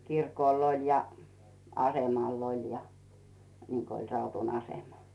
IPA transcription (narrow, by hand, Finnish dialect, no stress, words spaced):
kirkoˑl olʲ jɑ ɑsemɑˑl olʲ jɑ niŋko olʲ rɑutun ɑsemɑ